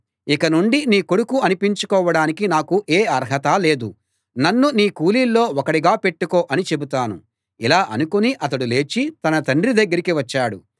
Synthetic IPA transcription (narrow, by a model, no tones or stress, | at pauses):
ikɐnuɳɖiniːko̞ɽukuɐnipiɲt͡ʃukɔːʋɐɽaːnikinaːkuʔeːɐɾɦɐt̪aːle̞ːd̪u | nɐnːuniːkuːliːlːo̞ːɔkɐɽiɡaːpe̞ʈːuko̞ːʔɐnit͡ʃe̞but̪aːnṵ | ilaːʔɐ̰nukuniʔɐt̪̬ɐɽule̞ːt͡ʃit̪ɐnɐt̪ɐɳɖɾid̪ɐɡːɐɾikiʋɐt͡ʃːaːɽṵ